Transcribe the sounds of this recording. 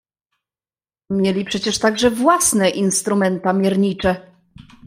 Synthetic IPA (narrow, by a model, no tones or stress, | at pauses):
mʲjelʲipʂɛt͡ɕɛʂt̪aɡʐɛvwasnɛʔinst̪ɾumɛnt̪amʲjɛɾɲit͡ʂɛ